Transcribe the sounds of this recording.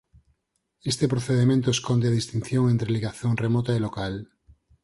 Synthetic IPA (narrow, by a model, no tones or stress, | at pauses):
est̪epɾoθeðemẽnt̪oeskond̪eaðist̪in̟θjoŋent̪ɾeliɣaθjoŋremot̪aelokal